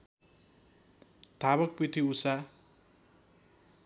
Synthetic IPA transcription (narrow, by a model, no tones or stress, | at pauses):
t̪aβʌk̚pit̪ʰiusa